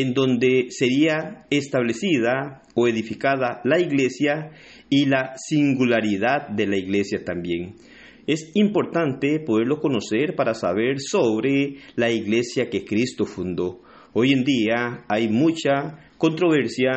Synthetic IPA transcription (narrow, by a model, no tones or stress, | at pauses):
end̪o̞nd̪ese̞ɾiaest̪aβlesiða | oe̞ðifikaðalaiɣlesja | ilasiŋɡulaɾiðað̚d̪elaiɣle̞sjat̪ambje̞ŋ | e̞simpo̞ɾt̪ant̪epo̞ðeɾloko̞no̞seɾpaɾasa̰βe̞ɾsoβɾelaiɣle̞sjakekɾist̪ofund̪o̞ | oje̞nd̪iaajmut͡ʃa | ko̞nt̪ɾo̞βeɾsja